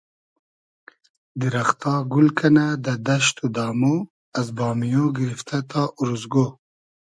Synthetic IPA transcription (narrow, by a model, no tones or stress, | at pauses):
d̪iɾaxt̪ɑɡulkʰanad̪ad̪aʃt̪ud̪ɑːmo | azbɑːmijõɡiɾift̪ʰat̪ʰɑʔuɾuzɡo